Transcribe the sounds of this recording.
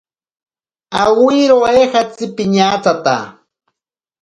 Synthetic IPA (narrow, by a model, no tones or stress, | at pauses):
awiɾoexat͡sɪpɪɲaːt͡sat̪a̰